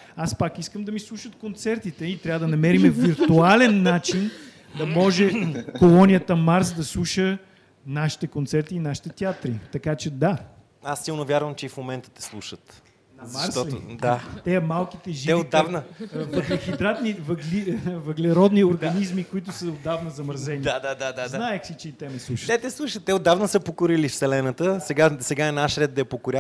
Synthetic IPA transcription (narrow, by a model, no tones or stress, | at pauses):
aspakiskəmd̪ɐmislˠuʃət̪kont̪sɛɾt̪it̪ɛit̪ɾʲavəd̪ɐnɐmɛɾimɛviɾt̪ualɛnːat͡ʃin | d̪ɐmɔʒɛkolˠɔnijət̪əmaɾsd̪ɐslˠuʃə | naʃi̥t̪ɛkont̪sɛɾt̪iːnaʃi̥t̪ɛt̪ʲiat̪ɾit̪ɐkat͡ʃɛd̪a | asːilˠnovʲjaɾvɐmt͡ʃɛifmomɛnt̪ə̥t̪ɛ̥slˠuʃət̪ | nɐmast̪ɔl̰d̪at̪ɛɐmalˠkit̪ɛʒiɛod̪avnəvɡxid̪ɾat̪nivɐɡlivɐɡlɛɾɔd̪nioɾɡɐnizmikoit̪ʊsəod̪ːavnəzɐməɾzɛniad̪ad̪ad̪anaɛxsit͡ʃɛit̪ɛmɛslˠuʃət̪ɛt̪ɛslˠuʃət̪ːɛod̪ːavnəsəpokʊɾilifsɛlɛnət̪əsɛɡasɛɡaɛnaʃɾɛd̪̚d̪ɐɛpokoɾʲa